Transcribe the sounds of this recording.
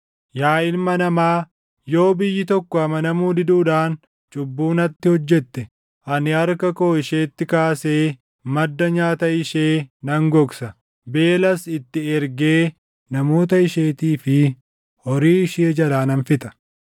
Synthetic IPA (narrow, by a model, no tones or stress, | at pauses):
jaːɪlmɐnɐmaː | jo̞ːbɪjːɪt̪ɔkːɔɐmɐnɐmuːd̪ɪd̪uːᶑaːn | t͡ʃʼʊbːuːnɐt̪ːɪhɔd͡ʒːɛt̪ːɛ | ʔɐnɪɐɾkɐko̞ːɪʃeːt̪ːɪkaːseː | mɐd̪ːɐɲaːt̪ɐɪʃeːnɐŋɡɔksɐ | be̞ːlɐsɪt̪ːɪɛɾɡe̞ː | nɐmo̞ːt̪̬ɐɪʃeːt̪iːfɪ | hɔɾiːɪʃeːd͡ʒɐlaːnɐnfɪt̪ɐ̥